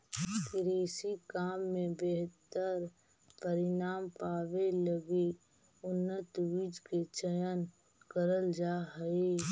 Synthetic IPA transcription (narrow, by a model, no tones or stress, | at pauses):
kɪɾeːsikaːmːẽbeɦt̪əɾ | pəɾɪnaːmpaːʋeləɡe | ʊnːət̪wid͡ʒket͡ʃəjən | kəɾəld͡ʒaɦəe